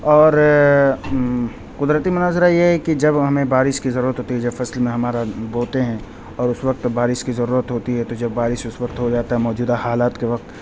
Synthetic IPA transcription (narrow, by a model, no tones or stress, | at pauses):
ɔːɾ | qʊd̪ɾət̪imʊnaːzɾajeɦɛkid͡ʒɐbɦɐmẽbaːɾɪʃkizɐɾuːɾət̪ɦoːt̪iɦɛd͡ʒɐbfɐslmẽɦɐmaːɾaboːt̪eɦɛ̃ | ɔːɾʊsʋɐq̚t̪baːɾɪʃkizɐɾuːɾət̪ɦoːt̪iɦɛt̪od͡ʒɐbːaːɾɪʃʊsʋɐqt̪ɦod͡ʒaːt̪aɦɛmɔːd͡ʒuːd̪ahaːlaːt̪keʋɐq̚t̪